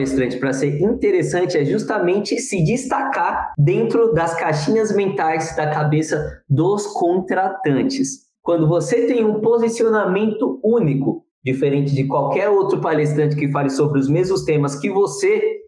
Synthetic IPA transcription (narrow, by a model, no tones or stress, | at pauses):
lest̪ɾɐ̃t͡ʃɪ̥pɾɐseɾĩt̪eɾesɐ̃nt͡ʃɪɛʒust̪amẽnt͡ʃɪsɪd͡ʒist̪akaɾd̪ẽnt̪ɾʊd̪ɐskaʃĩɲɐzmẽnt̪ajzd̪ɐkabesɐd̪ʊskʰõt̪ɾat̪ɐ̃nt͡ʃɪs | kwɐ̃nd̪ʊvoset̪ẽj̃ũpozisionamẽnt̪ʊũnikʊ | d͡ʒifeɾẽnt͡ʃɪd͡ʒɪkwawkɛɾowt̪ɾʊpales̬t̪ɾɐ̃nt͡ʃɪkɪfalɪsobɾɪʊzmezmʊst̪ẽmɐskɪvose